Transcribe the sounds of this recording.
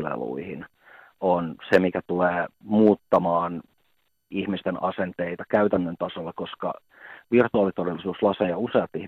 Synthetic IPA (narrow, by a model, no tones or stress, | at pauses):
lḛlṵihḭn | onsemikæt̪uleːmuːt̪ːɑmɑːn | ihmist̪enɑ̰sent̪eit̪ɑkæyt̪ænːønt̪ɑsolːɑkoskɑ̰ | ʋirt̪uɑːlit̪odelːˑisuːslɑsejjɑuseɑt̪ih